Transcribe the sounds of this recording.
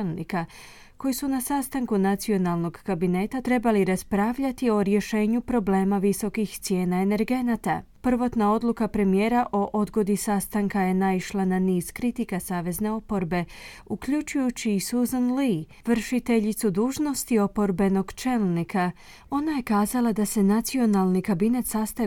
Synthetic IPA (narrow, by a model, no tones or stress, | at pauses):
lnḭka | ko̞jsunasaːst̪aŋkunat̪sio̞nalˠno̞ɡkabine̞t̪at̪ɾe̞baliɾaspɾaːʋʎat̪io̞ɾje̞ʃe̞ːɲupɾo̞ble̞ːmaʋiso̞kixt̪sje̞ːnaene̞ɾɡe̞nat̪apr̩ʋo̞t̪nao̞d̪lukapɾe̞mije̞ːɾaʔo̞ʔo̞d̪ɡo̞d̪isast̪aŋkaje̞naiʃlˠananiːz̥kɾit̪ikasaːʋe̞zne̞o̞po̞ɾbe̞ | ukʎut͡ʃujut͡ɕiːsuzonli | ʋr̩ʃit̪e̞ʎit̪sud̪uːʒno̞st̪io̞po̞ɾbe̞no̞ɡt͡ʃe̞lnikʰa | o̞naje̞kaːzalˠad̪ase̞nat̪sio̞nalˠnikabine̞t̪sast̪a